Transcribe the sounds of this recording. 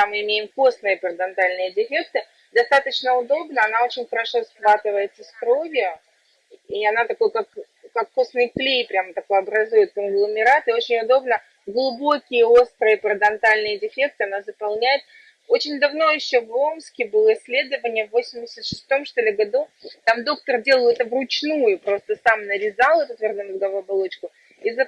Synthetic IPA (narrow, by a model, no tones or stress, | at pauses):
amɨɪmʲejɪmko̞snɨjəpəɾəd̪ɐnt̪alʲnɨjədʲɪfʲek̚t̪ɨ | d̪ɐst̪at̪ət͡ɕnəʊd̪o̞bnəɐnao̞t͡ɕɪnʲxəɾɐʂo̞sxvat̪ɨvəjɪt̪səst̪ɾo̞vʲjʊ | iɐnat̪ɐko̞jkak | kakːosnɨjplʲejpɾʲamət̪ɐko̞jɐbɾɐzujɪt̪̚kənɡlˠəmʲɪɾat̪ɨo̞t͡ɕɪnʲʊd̪o̞bnə | ɡlˠʊbo̞kʲɪjəo̞st̪ɾɨəpɾəd̪ɐnt̪alʲnɨjədʲɪfʲe̞k̚t̪ɨɐnazəpɐlˠnʲæjɪt̪̚ | o̞t͡ɕɪnʲd̪ɐvno̞jɪɕːo̞vo̞mskʲɪbɨlˠəɪsʲːlʲe̞d̪əvənʲɪjəvːo̞sʲɪmʲdʲɪsʲət̪ʂɨ̥st̪o̞mʂt̪olʲɪvɡɐd̪ut̪amd̪o̞kt̪ərdʲe̞lˠəlˠɛt̪əvrʊt͡ɕnujʊpɾo̞st̪əsamnəɾʲɪzalˠɛt̪ʊt̪vʲɐrd̪onəɡɐvuɐbalˠo̞t͡ɕkʊ | iz